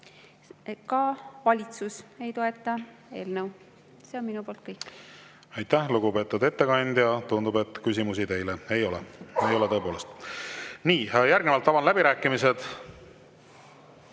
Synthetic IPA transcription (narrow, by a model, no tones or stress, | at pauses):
kɑvɑlʲit̪suse̞jt̪o̞e̞t̪ːˑɑe̞ːlnəw | se̞onminupo̞ːlt̪̚kɤjkː | ɑjt̪ːæhluɡupe̞ːt̪ːˑud̪e̞t̪ːe̞kɑnʲd̪jɑt̪und̪ube̞t̪ːˑkysʲimusit̪e̞jlee̞jo̞lɛejo̞leɤ̞ːpo̞ːle̞st̪niːjæɾɡnevɑlt̪ːɑbɑnlæbiɾæːkːˑimise̞d̪̥